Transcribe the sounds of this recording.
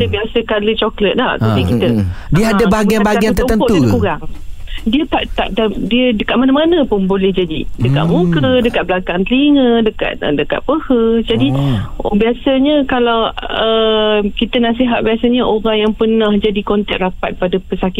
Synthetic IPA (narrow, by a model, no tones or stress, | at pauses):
it̪əbiasəkalət͡ʃɔklət̪̚dahtuikit̪ədiəadabaɦaɡianbaɦaɡiant̪ət̪ənp̪udakuɾaŋdiət̪aʔt̪a̰ʔdadiədəkaʔ̪̚manamanə̃pʊnbolɛhd͡ʒadidəka̰ʔ̪̚mũkɾədəkat̪̚blakaŋt̪əliŋə̃dəka̰t̪̚dəka̰t̪̚pəhəd͡ʒadibiasəɲə̃kalawəkit̪ənasiɦat̪̚biasəɲəʔoɾaŋjaŋpərnahd͡ʒadikɔnt̪ɛt̪rapat̪̚padapəsakɪ